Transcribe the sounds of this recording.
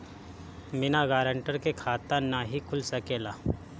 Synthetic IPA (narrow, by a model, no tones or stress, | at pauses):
mɪnaɡaːɾə̃ɳʈəɾkekʰaːt̪anaɦikʰʊlsɐkeːlaː